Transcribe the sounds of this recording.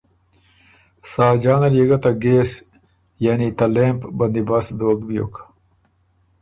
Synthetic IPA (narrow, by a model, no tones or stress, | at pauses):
saːd͡ʑaːnɐljeɡɐt̪aɡeːs | janit̪ɐleːmpbɐnd̪ibasd̪oːɡbijo̰ːk